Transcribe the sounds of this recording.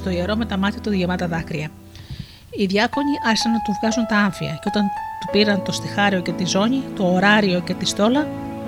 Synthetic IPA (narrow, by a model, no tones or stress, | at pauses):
t̪o̞ie̞ɾo̞me̞t̪ɐmɐt̪it̪oðʝemɐt̪ɐðɐkɾiɐ | iðʝɐko̞ɲiʔɐɾçisɐnːɐt̪ufçɐzunt̪ɐɐɱfiɐ̰ceo̞t̪ɐnt̪upiɾɐnt̪o̞st̪ixɐɾio̞ce̞t̪izo̞ɲit̪o̞ːɾɐɾio̞ce̞t̪ist̪o̞lɐ